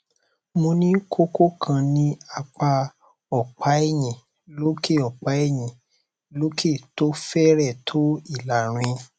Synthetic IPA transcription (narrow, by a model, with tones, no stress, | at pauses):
mo˧nĩ˦kʰo˦ko˦kʰã˧nĩ˦a˧k͡pa˧ | ɔ˨k͡pa˨˦e˦˨j̃ĩ˨ | lo˦ke˦˨ɔ˨k͡pa˨˦e˦˨j̃ĩ˨ | lo˦kʰe˦˨to˦fɛ˦ɾɛ˦˨tʰo˨˦i˦˨la˨ɾ̃ĩ˧